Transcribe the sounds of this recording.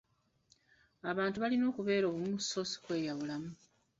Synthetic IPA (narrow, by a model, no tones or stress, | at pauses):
aβaːntuβalino̞ːkuβe̞ːɾo̞ːβumuso̞si̥kwe̞ːjaβulamu